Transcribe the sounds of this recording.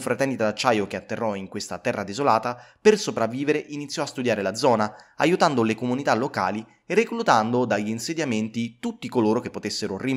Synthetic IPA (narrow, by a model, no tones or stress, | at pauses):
fɾat̪ɛnd̪it̪ad̪at͡ʃːaːjokeat̪ːerːɔiŋkwest̪at̪ɛrːʔad̪ezolaːt̪a | persopɾavːiːveɾeʔinit̪sːjɔast̪ud̪jaːɾelad̪zɔːnaajut̪and̪olekomunit̪alːoka̰ːli | erːeklut̪and̪od̪aʎːinsed̪jament̪it̪ut̪ːikoloːɾok̟epːot̪esːeɾori